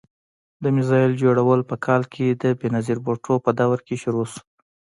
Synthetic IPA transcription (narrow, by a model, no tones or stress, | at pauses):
d̪əmɪzɑjɪld͡ʒoɽawəlpəkʰɑlkʰed̪əbenaziɾboʈopəd̪awɾkeʃʊɾos